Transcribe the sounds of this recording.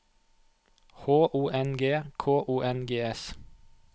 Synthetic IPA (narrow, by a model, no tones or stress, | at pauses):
hoːʔuːʔɛnɡeːkʰoːʔuːʔɛnɡeːɛs